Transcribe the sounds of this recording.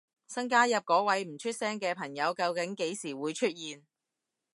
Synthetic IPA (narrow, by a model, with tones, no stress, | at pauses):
sɐ˥ŋk̬aː˥jɐ˨p̚kɔː˨˥wɐ˨˥jm̩˨˩t͡ʃʰy˥t̚sɛː˥ŋkɛː˧pʰɐ˨˩ŋjɐ˨˧wkɐ˧wkɪ˨˥ŋke˨˥jsiː˨˩wuː˨˧jt͡ʃʰɵ˥t̚jiː˨n